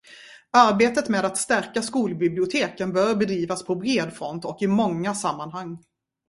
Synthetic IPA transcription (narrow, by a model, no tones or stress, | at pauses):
aɾbeːt̪ət̪meːd̪at̪st̪æɾkaskuːlbɪblɪʊt̪ʰeːkənbœːɾbɛd̪ɾiːvaspʰɔbɾeːd̪fɾɔnt̪ɔkɪmɔŋːasamːanɦaŋː